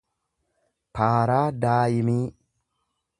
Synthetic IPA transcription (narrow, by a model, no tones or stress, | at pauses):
kaːɾaːdaːjimi